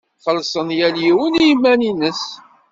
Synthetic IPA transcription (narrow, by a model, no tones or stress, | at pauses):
θəlsˤənjæljiwənijmæninəs